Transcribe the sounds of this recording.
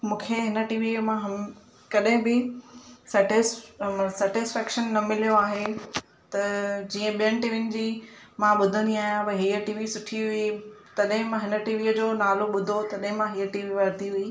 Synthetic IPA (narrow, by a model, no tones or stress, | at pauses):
mũːkʰeɦɪnəʈiːʋimãɦɐ | kɐɗɦɪ̃bɪsɛːʈɪssɛːʈɪsfɛːkʃənːɐmɪlijoaːɦe | t̪ɐd͡ʑiːə̃ɓijənɪ̆ʈiːʋɪnɪ̆d͡ʑiːmãɓʊd̪ʱə̃nd̪iaːɦijãbɐɦiːəʈiːʋisʊʈʰiɦʊit̪ɐɗɦɪ̃mãɦɪnəʈiːʋiːəd͡ʑoːnaːloɓʊd̪ʱot̪ɐɗɦɪ̃mãɦiːəʈiːʋiʋɐɾd̪iɦʊiː